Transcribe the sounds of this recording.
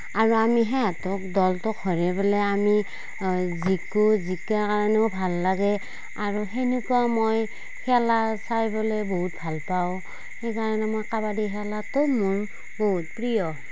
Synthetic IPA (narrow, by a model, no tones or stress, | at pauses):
aɹuamiɦɛatʊk̚dɔltʊkʰɔɹɛbɔlɛami | zikuzikakaɹanɛʊbʱalːaɡɛ | aɹuɦenukuamoj | hɛlasajbɔlɛboɦut̚bʱalpaʊ̃ | xejkaɹanɛmojkabadiɦɛlatʊmʊɹ | boɦut̚pɹijɔ